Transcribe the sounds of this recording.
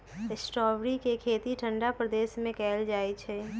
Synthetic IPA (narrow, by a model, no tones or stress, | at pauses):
ɪsʈɾɔːʋɾikekʰeːt̪iʈʰə̃ɳɖapɾəd̪eːsmẽkɛːld͡ʒaːet͡ʃʰɛː